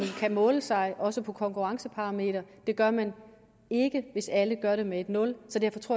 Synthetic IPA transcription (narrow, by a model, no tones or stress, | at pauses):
nkʰæmɔ̽ːləsɑ̈ɪʔɒ̽səpʰɒ̽kʰɒ̽ŋkʰuʁɑ̈ŋsəpʰɑ̈ʁɑ̈me̝̰ːɾ̥ɐd̥e̝ɡ̥ɶɐmæn | e̝ɡ̥əʋe̝sæləɡ̥ɶɐɾe̝mee̝d̥nɔ̽lsɒ̽d̥æɐfɒ̽t͡sʰʁo̝̰